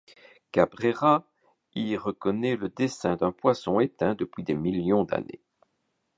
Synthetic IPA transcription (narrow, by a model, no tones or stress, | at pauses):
kabʁeʁa | iʁəkɔnɛləd̪esɛ̃d̪ɛ̃pwasɔ̃et̪ɛ̃d̪əpɥid̪emiljɔ̃d̪a̰nḛ